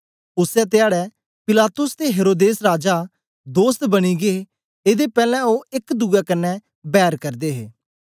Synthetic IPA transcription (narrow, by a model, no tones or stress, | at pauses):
ʊsɛt̪ɪaːɽɛː | pɪlaːt̪ʊst̪eɦeːɾoːd̪eːsɾaːd͡ʒaː | d̪oːst̪bəɽ̃iːɡeeː | eːd̪epɛːlɛ̃oːɪkd̪ʊɡɛːkənːɛ | bɛːəɾkəɾd̪eːɦḛː